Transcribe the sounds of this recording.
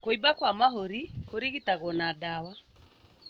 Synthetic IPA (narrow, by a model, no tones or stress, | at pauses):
koibakwamaɦoɾikoɾiɣitaɣɔnadawa